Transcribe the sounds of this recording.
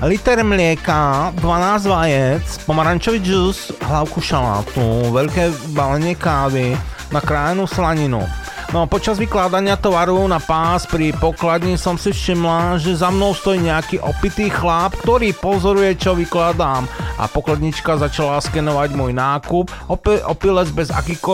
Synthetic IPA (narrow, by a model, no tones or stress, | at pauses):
lit̪ɛɾmlɪɛkad̪ʋanaːzʋajɛt͡spɔmaɾant͡ʃɔʋid͡ʒusɦlaʊkuʃala̰ːt̪uʋɛʎkɛːbalɛɲɪɛkaːʋi | nakɾaːjnuslaɲinṵ | nɔapɔt͡ʃazʋiklaːd̪aɲɪat̪ɔʋaɾunapaːspɾipɔklad̪ɲisɔmsifʃimlaʒɛzamnɔʊst̪ɔjiːɲɛakiːʔɔpit̪iːxlaːpkt̪ɔɾiːpɔzɔɾujɛt͡ʃɔʋiklaːd̪aːmʔa̰pɔklad̪ɲit͡ʃkazat͡ʃalaskɛnɔʋaɟmɔjnaːkupɔpɛʔɔpilɛzbɛza̰kiːxkɔ